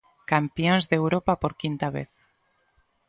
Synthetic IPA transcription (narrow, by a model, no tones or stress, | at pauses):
kampjonzðewɾopapoɾkint̪aβḛθ